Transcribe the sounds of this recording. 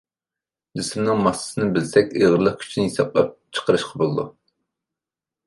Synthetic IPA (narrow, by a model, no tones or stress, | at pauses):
d͡ʒɪsɪmnɨŋmɑsɨ̥sɨnɨbɪlsɛkʲeʁəɾlˠəχkʲʰy̥t͡ʃʰinɪjisɑplˠɑp̚t͡ʃʰə̥qəɾɨʃqʰɑbolˠd̪ṵ